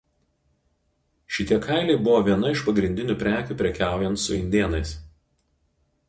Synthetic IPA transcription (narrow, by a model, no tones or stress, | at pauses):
ʃʲɪt̪ʲiɛkʰɐˑɪlʲɛɪbʊʋoːʋʲiɛnɐɪʃpɐɡɾʲɪnʲd̪ʲɪnʲuːpʲɾʲæːkʲuːpʲɾʲɛkʲæˑʊjɛnt̪sʊ̰ɪnʲd̪ʲeːnɐɪs